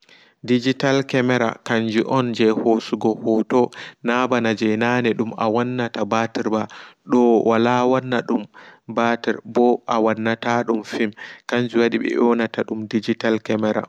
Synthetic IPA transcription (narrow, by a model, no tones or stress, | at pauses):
did͡ʒitalkɛmɛɾa̰kaɲd͡ʒuʔɔnd͡ʒɛhosuɡɔhɔtɔnabanad͡ʒɛjnanɛɗuma̰wanːatabatiɾbaɗɔwalawanːaɗumbatɛɾbɔʔawanːataɗumfimkaɲd͡ʒuwaɗiɓɛ̰ʔɔnataɗumdid͡ʒitalkɛmɛɾa̰